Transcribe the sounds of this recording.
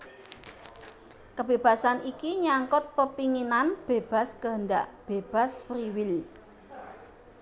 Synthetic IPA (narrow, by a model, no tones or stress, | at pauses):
kəb̥eb̥ä̤sanʔikiɲaŋkʊt̪̚pəpiŋinanb̥eb̥a̤skəɦənd̪aʔb̥eb̥a̤sfɾiwɪl